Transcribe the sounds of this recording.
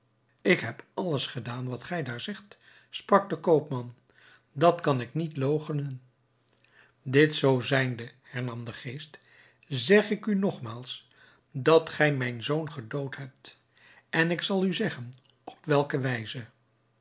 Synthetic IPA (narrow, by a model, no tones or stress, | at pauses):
ɪkɦɛpɑləsχədaːnʋɑtχɛjdaːɹzɛχt | sprɑk̚dəkowpmɑn | dɑtkɑnɪknitlowχənən | dɪtsowzɛjndəhɛɹnɑmdəχejst | zɛχɪkynɔχmaːlˠs | dɑtχɛjmɛjnzownχədowtɦɛp̚t | ʔɛnɪksɑlˠyzɛχən | ɔ̥pʋɛlˠkəʋɛjzə